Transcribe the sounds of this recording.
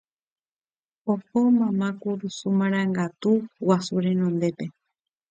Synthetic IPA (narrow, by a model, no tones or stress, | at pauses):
opomãmãkuɾusumãɾ̃ãŋɡat̪uwasuɾe̞nõnd̪e̞pe̞